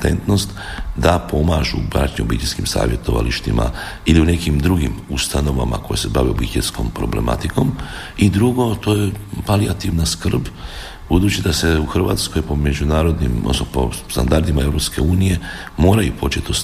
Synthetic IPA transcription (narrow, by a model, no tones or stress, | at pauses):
t̪e̞̰nt̪no̞st̪ | d̪apʰo̞maːʒṵbɾa̰t͡ʃɲiobit̪iskimsa̰ːʋje̞t̪o̞ʋa̰liʃt̪ima̰ | iliune̞kimd̪ɾuɡimust̪ano̞ʋa̰ma̰ko̞je̞se̞baʋiobixjet̪sko̞̰mpɾo̞̰ble̞̰ma̰t̪iko̞m | id̪ɾuɡo̞t̪o̞ːjepaliat̪iʋnaskr̩b | b̥ud̪uːt͡ɕid̪ase̞uxr̩ʋa̰ːt̪sko̞jpo̞me̞d͡ʒunaːɾo̞d̪nimo̰sopo̰st̪and̪aɾd̪imae̞ʋɾo̞pske̞uːnije̞ | mo̞ːɾajupo̞t͡ʃe̞t̪o